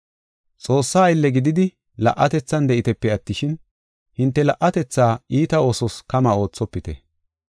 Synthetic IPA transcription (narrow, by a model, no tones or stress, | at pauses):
t͡sʼo̞ːsːaːɪlːɛɡɪd̪ɪd̪ɪ | lɐ̰ʔːɐt̪ɛt͡sːɐnd̪ɛʔɪt̪ɛpːɛɐt̪ːɪʃɪn | hɪnt̪ːɛlɐʔːɐt̪ɛt͡sːaːiːt̪ɐo̞ːsɔskɐmaːo̞ːt͡sːɔpːɪt̪ɛ